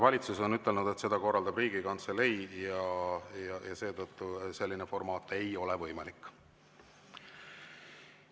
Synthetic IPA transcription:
vɑlʲit̪suso̞nyt̪ˑːelnud̪e̞t̪se̞d̪ɑko̞rːɑld̪ɑbriːɡ̥ikɑnt̪sele̞jjɑjɑjɑse̞ːd̪t̪ɤt̪ːuse̞lʲːinefo̞rmɑːt̪ːˑe̞jo̞le̞vɤ̞jmɑlikː

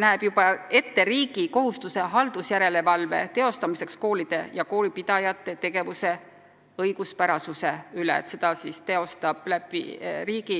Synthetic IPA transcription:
næeb̥jub̥ɑe̞t̪ːe̞ɾiːɡ̥iko̞ɦust̪use̞ɦɑld̪̥usjæɾe̞le̞vɑlve̞̰t̪e̞o̞st̪ɑmise̞ksko̞ːlid̪̥e̞̰jɑko̞ːlipid̪̥ɑjɑt̪ːe̞t̪e̞ɡ̥e̞vuse̞ | ɤjɡ̥uspæɾɑsuse̞ylḛḛt̪se̞d̪̥ɑsist̪e̞o̞st̪ɑb̥læpḭriːɡ̥i

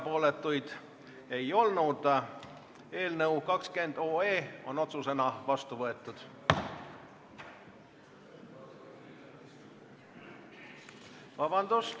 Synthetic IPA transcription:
po̞ːlet̪ːˑujd̪̥ | e̞jo̞lnud̪ | e̞ːlnɤwkɑkske̞nd̪̥o̞ːeːo̞no̞t̪suse̞nɑvɑst̪uvɤe̞t̪ːˑud̪̥ | vɑbɑnd̪̥us

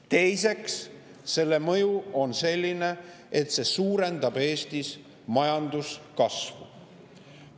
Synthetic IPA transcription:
t̪e̞jse̞ksː | e̞lːe̞mɤ̞juo̞nse̞lʲːine̞ | et̪se̞suːɾe̞nd̪ɑb̥e̞ːst̪is | mɑjɑnd̪̥uskɑsvṵ

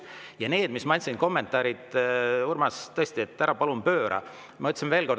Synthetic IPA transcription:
jɑne̞ːd̪̥mismɑnʲsinko̞mːe̞nt̪ːˑɑːɾid̪̥urmɑst̪ɤesʲt̪ie̞t̪ːæɾɑpɑlumpø̞ːɾʔɑ̰ | mɑot̪ʲːsimve̞ːlko̞rd̪

